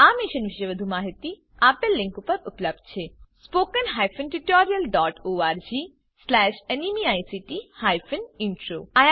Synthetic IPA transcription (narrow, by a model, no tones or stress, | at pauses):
aːmiʃənʋiʃəjʋəd̪ʱumaːɦit̪i | aːpelːĩŋkupəɾupləb̚d̪̚t͡ɕʰespoːkənɦajfənʈuʈɔːɾijəlɖɔːʈoːaɾd͡ʑi | slɛʃenimiajsiʈihaːjfʰəniɳʈɾoaj